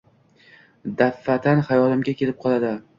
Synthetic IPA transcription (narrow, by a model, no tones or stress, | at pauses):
d̪afːat̪ʰanhajɒlɪmɡʲakʲʰe̞lɪp̚qʰɒlˠad̪ɪ